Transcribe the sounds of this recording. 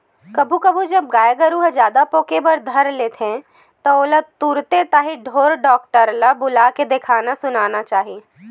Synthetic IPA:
kɐbʱukɐbʱud͡ʒɐb̚ɡaːjɡəɾuːɦd͡ʒjaːd̪apoːkebɐɾd̪ʱɐɾleːt̪ʰẽ | t̪ɔoːlət̪uːɾt̪et̪aːɦiɖʱoːɾɖɔːk̚ʈəɾlabʊlaked̪ekʰaːnasʊnaːnat͡ʃaːɦieː

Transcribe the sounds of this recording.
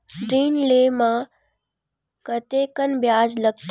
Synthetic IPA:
ɖɾiːnleːmã | kət̪eːkənbjaːd͡ʒləɡ̚t̪

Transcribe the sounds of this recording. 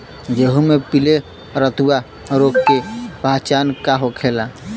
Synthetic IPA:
d͡ʒeɦumepile | ɾət̪uwa | ɾoɡkepat͡ʃankaɦokʰela

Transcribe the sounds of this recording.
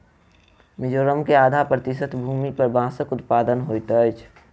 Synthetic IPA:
mɪd͡ʒoːɾəmkeaːd̪ʱapɾət̪ɪsət̪ʰbʱuːmipəɾbãːsəkʊt̪̚paːd̪ənɦojt̪ət͡ʃʰ

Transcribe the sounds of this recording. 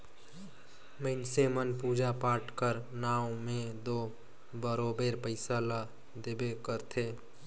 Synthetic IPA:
məɪnsemənpuːd͡ʒapaːʈʰkəɾnaːomẽd̪oː | bəɾoːbeːɾpəɪsala | d̪ebekəɾt̪ʰeː

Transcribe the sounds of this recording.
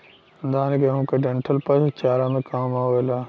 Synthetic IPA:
nd̪ʱaːnkeɦũːkeɖẽɳʈʰəlpɐst͡ʃaːɾaːmẽkaːmaːɦoːelaː

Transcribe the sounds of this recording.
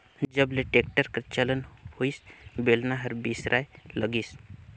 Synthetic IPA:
d͡ʒəbleʈeːkʈəɾkəɾt͡ʃələnhoisbelnaɦɐɾbiːsɾʔaːjləɡis

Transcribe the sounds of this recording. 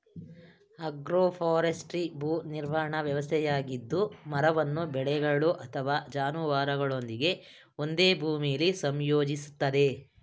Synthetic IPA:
ɐɡɾoːpʰaːɾesʈɾibʱuːniɾʋaɐɳɐʋjɐʋɐst̪ʰɛjaːɡid̪ːumɐɾɐʋɐnːubɛɭɛɡɐɭuʔɐt̪ʰɐʋaːd͡ʒaːnuʋaːɾɐɡɐɭo̞nd̪iɡe̞ | o̞nd̪e̞ːbʱuːmijɐlisɐmjoːd͡ʒisu̥t̪ːɐd̪e̞

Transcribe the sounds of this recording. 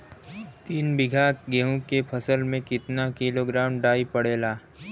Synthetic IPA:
t̪iːnbɪɡʱaːkɡeːɦũkepʰəsəlmẽkɪt̪nakɪloːɡɾaːmɖaːipəɽeːlaː

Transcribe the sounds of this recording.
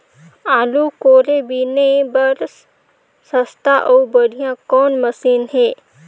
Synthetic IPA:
aːlukoːɾebinebəɾs | səst̪ʰaʔəubəɾijãkɔːnməsiːnɦeː

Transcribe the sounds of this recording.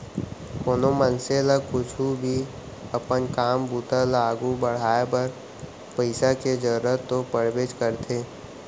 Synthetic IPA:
koːnomənselakʊt͡ʃʰubʱi | əpənkaːmbuːt̪alaːɡubəɽ̤aːebəɾ | pəɪsaked͡ʒəɾɾət̪ːopəɾʋeːd͡ʒkəɾt̪ʰeː

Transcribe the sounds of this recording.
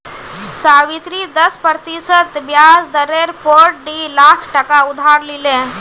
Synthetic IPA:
saʋit̪ɾid̪əspɾət̪isət̪bjad͡zd̪əɾeɾpoɾʈ̚ɖilakʰʈəkaud̪ʱaɾlilẽ

